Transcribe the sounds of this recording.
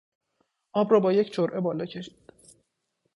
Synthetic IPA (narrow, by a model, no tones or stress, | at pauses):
ʔɒːbɾɒːbɒːje̞cʰt͡ʃʰoɾʔe̞bɒːlɒːcʰe̞ʃi̥ːd̪̥